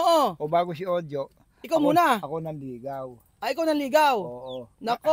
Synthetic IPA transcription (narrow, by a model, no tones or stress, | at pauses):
ʔoʔobaːɡos̬iod̪o | ɪkawmuːnaakonanliɡaw | aʔɪkawnanliɡawoʔonako